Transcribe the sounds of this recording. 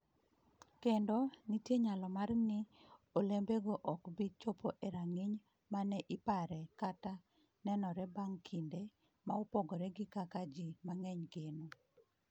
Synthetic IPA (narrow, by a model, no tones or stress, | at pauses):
kendɔnitjeɲalɔmarnɪolembeɡɔʔɔkbit͡ʃopʰoʔeɾaŋɪɲ | manɛʔɪpaɾɛkata | nɛnɔɾɛbaŋkʰinde | maopɔɡɔɾɛɡɪkakad͡ʒimaŋɛɲɡeno